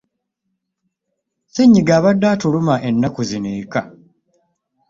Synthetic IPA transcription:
seɲːiɡaːβadːaːtulumaʔenːakuzineːka

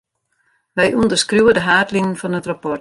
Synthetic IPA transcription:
ʋɛjʔundərskruwədəɦaːtliŋənfɔnətrapɔ

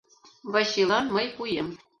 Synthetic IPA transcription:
βɑɕilɑnməjpujem

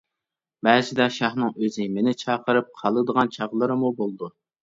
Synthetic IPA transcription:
bæːzɪd̪ɛʃɑχnɨŋøzɪmenɪt͡ʃʰɑːqəɾɨp̚qʰɑlˠəd̪əʁɑnt͡ʃʰɑʁlˠəɾɨmubolˠd̪u

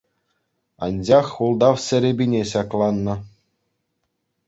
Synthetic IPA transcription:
ɑnʲd͡ʑɑχulˠd̪ɑfsʲɘ̆ɾʲebʲinʲeɕɑklˠɑnːɤ̆

